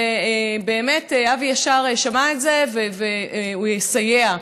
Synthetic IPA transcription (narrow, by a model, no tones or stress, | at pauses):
ebe̞ːmeteavjaʃaʁeʃamaetze̞veveujesajea